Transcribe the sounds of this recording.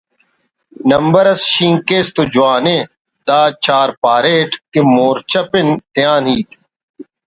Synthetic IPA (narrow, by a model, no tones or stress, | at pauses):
nɐmbəɾɐsʃĩːŋkeːst̪ud͡ʒʊaːneː | d̪aːt͡ʃaːɾpaːɾeːʈkimoːɾt͡ɕʰɐpɪnt̪ɪjãːnɦiːt̪ʰ